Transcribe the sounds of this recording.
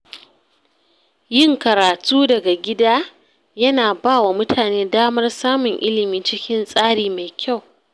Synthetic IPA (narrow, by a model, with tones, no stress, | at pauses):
jɪ˦ŋkɐ˨ɾaː˨tuː˦dɐ˨ɡa˨ɡʲɪ˦daː˦ | jɐ˦naː˨baː˦˨wa˨mʊ˦tʰaː˨neː˦daː˦mɐ˦rsaː˦mʊ˨ŋʔɪ˦lɪ˨miː˦t͡ʃɪ˦kʲɪ˦nsʼaː˦ɽiː˨ma˨jkʲʰa˦˨w